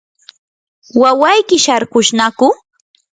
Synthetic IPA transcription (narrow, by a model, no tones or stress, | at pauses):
wawajkɪʃaɾkʊʃnakʊ